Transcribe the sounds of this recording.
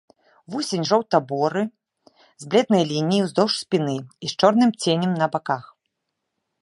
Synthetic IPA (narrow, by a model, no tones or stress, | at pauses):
vɔsʲenʲʐɔwt̪abɔɾɨ | zblʲɛd̪nɐjlʲinʲijiwzd̪ɔʂsʲpʲinɨist͡ʂɔrnɨmt͡sʲenʲɛmnɐbakax